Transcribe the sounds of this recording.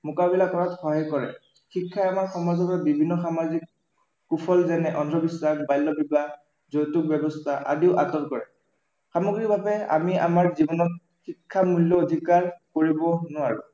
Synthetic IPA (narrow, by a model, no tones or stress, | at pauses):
mʊkabilakɔɹatxɔɦajkɔɹɛ̰ | xikʰːajamaɹxɔmazɔkabibʱinːɔxamazikː | upʰɔlzɛnɛʔɔndʱɹɔbiswaxbajlːɔbiba | zojtuk̚bɛbɔstʰaʔa̰diʊʔatɔɹkɔɹɛ | xamɔɡɹibʱabɛa̰mia̰maɹzibɔnɔt̚ | xikʰːamulːɔːd̪ʱikaɹkoɹibɔnʊaɹʊ